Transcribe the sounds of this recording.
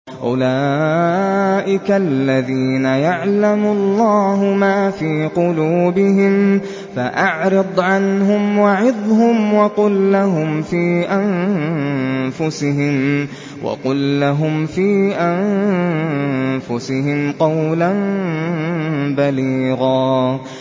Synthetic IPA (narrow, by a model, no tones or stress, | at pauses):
ʔʊlaː | ʔɪkalːaðiːnajaʕlamʊɑlˤːɑːɦʊmaːfiːqʊluːbɪɦɪm | faʔaʕɾɨd̪ˤʕanɦʊmwɑʕɪðˤɦʊmwɑqʊlːaɦʊmfiːʔan | fʊsɪɦɪm | wʔɑ̰qʊlːaɦʊmfiːʔan | fʊsɪɦɪmqɑwlan | baliːɣɑː